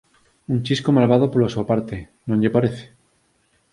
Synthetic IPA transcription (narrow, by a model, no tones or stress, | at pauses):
unt͡ʃiskomalβað̞opoɾlasuapaɾt̪e | nõɲʎepaɾeθe̥